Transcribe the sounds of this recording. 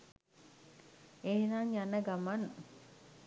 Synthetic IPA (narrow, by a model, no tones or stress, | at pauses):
eːnaŋjanəɡaman